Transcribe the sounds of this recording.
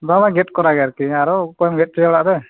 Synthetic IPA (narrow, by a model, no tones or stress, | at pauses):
bamaɡɛt̚kɔɾaɡɛaɾkiaɾɔkɔjɔmɡɛt̚t͡ʃijɔɽaʔɾɛ